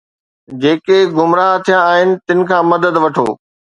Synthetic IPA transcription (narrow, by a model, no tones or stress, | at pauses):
d͡ʑeːkeɡʊmɾaːɦt̪ʰijãaːɦɪnɪ̆t̪ɪnɪ̆kʰãːmɐd̪əd̪ʋɐʈʰo̰ː